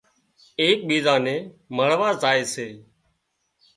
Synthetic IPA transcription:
eːk̚ɓiːzãːnẽːməɭʋaːzaːeːseː

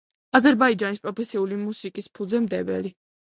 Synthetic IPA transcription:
azɛɾbaid͡ʒanispʼɾɔpʰɛsiulimusikʼispʰuzɛmd̪ɛvɛ̰li

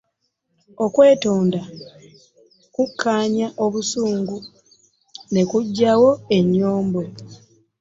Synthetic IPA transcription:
o̞kwe̞ːtoːnda | kukʰːaːɲaʔo̞βusuːŋɡu | ne̞kuɟːawo̞e̞ɲːoːmbo̞

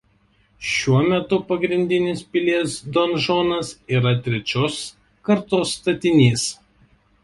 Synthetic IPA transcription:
ʃʲuɔmʲɛt̪ʊpɐɡɾʲɪnʲd̪ʲɪnʲɪspʲɪlʲiɛsd̪ɔnʒoːnɐsiːɾɐt̪ʲɾʲɛt͡ʃʲoːs | kɐɾt̪oːsːt̪ɐt̪ʲɪnʲeːs

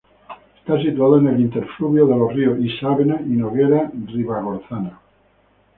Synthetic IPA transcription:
est̪as̬it̪uaðoenelint̪eɾfluβjoðelorioisaβenainoɣeɾariβaɣoɾθana

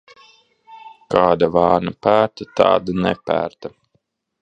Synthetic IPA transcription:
kaːd̪avɑːɾnapæːɾt̪at̪a̰ːd̪anɛ̰pæ̰ːɾt̪a

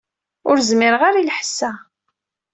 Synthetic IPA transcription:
ʊɾzmɪɾəʁaɾilħə̥sːæ

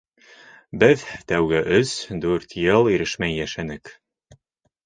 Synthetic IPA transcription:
bɘðt̪æwɡɘʔɵsd̪ʉɾt̪jɤlˠiɾɘʃmæjːæʃænɘk

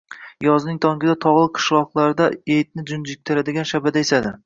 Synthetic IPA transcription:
jɒznɪŋt̪ʰɒŋkʲɪd̪at̪ʰɒʁlˠɨqʰɨ̥ʃlˠɒqlˠaɾd̪aejt̪̚nɪd͡ʒʊnd͡ʒɪk̚ʲt̪ʰɪɾad̪ɪɡʲanʃabad̪aesad̪ɪ

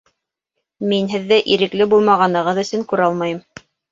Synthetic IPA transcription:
minɦɘðːæʔiɾɘ̆klɘbulˠmɑʁɑnɤ̆ʁɤðɵ̆sɵŋkʉɾɑlˠmɑjɤm

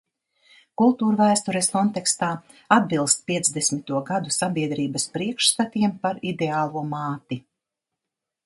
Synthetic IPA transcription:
kulˠt̪uːɾvæːst̪ɔɾɛskɔnt̪ɛkst̪aː | ad̪̚bilˠst̪pʲiɛzd̪esʲmit̪uɔɡad̪usabʲiɛd̪ɾiːbɐspɾiɛkʃst̪at̪iɛmpaɾid̪eaːlˠuɔmaːt̪i

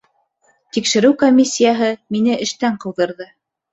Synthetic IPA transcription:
t̪ikʃɘ̆ɾɘwkomʲisʲːijaɦɤminɘʔɘ̆ʃt̪æɴqɤ̆wðɤ̆ɾðɤ

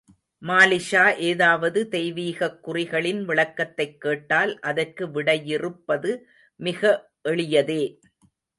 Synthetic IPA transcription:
maːlɪʃaːʔeːðaːʋɐðɯd̪ɛjʋiːɣɐkːʊrɪɣɐɭɪnʋɪɭɐkːɐt̪ːɐɪkːeːʈːaːlʔɐðɐrkɯʋɪɽɐjɪrɯpːɐðɯ | mɪɣɐ | ʔɛɭɪjɐðeː

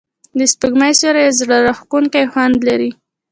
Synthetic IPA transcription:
d̪əspəɡmajsaɾajezɽaɾaxkuŋkajxwand̪laɾi

